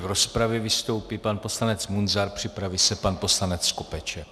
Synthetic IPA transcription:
vɾo̞spɾavjɛvɪst̪o̞wpipanpo̞slanɛt͡smunzaɾpr̥ɪpɾavisɛpanpo̞slanɛt͡sːko̞pɛt͡ʃɛ

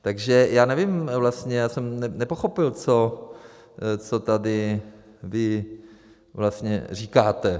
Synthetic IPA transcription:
t̪aɡʒɛjaːnɛvɪmvlast̪ɲɛjaːsɛmnɛnɛpoxopɪlt͡so | t͡sot̪adɪ | vɪ | vlast̪ɲɛ̰riːkaːt̪ɛ

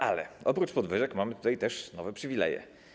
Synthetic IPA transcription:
ʔalɛ̰ʔɔpɾut͡ʂpɔd̪vɘʐɛkmamɘt̪ut̪ajt̪ɛʂnɔvɛpʂɘvʲilɛ̰jɛ̰

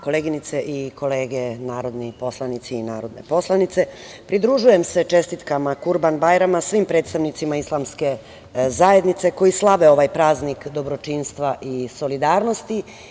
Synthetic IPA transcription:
ko̞leɡinit̪seʔiko̞leːɡe̞naːɾo̞d̪nipo̞slˠanit̪siːna̰ːɾo̞d̪ne̞̰po̞slanit̪se̞ | pɾid̪ɾuʒuje̞mse̞t͡ʃe̞st̪it̪kamakuɾbanbajɾamasʋimpɾet̪st̪aʋnit̪simaislˠamske̞ | zaje̞d̪nit̪se̞ko̞jislˠaʋe̞o̞ʋajpɾaːznikd̪o̞bɾo̞t͡ʃinst̪ʋaʔiso̞lid̪aːɾno̞st̪i

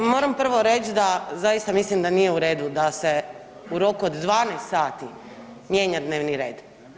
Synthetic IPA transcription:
moːɾampr̩ʋo̞ɾet͡ʃd̪azajist̪amislimd̪anijeuɾeːd̪ud̪ase | uɾo̞kuod̪ːʋaːnejst̪saːt̪i | mje̞ːɲad̪ne̞ːʋniɾe̞ːd̪

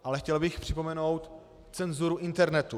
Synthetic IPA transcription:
ʔalɛxcɛlbɪxpr̝̥ɪpo̞mɛno̞wt̪ | t͡sɛnzuɾuʔɪnt̪ɛɾnɛt̪u

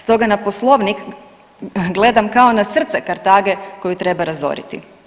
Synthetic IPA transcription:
st̪o̞ɡanaposlˠo̞ʋnik | ɡle̞d̪amkaonasr̩t̪sekaɾt̪aːɡe̞ko̞jut̪ɾe̞baɾazo̞̰ɾḭt̪ḭ

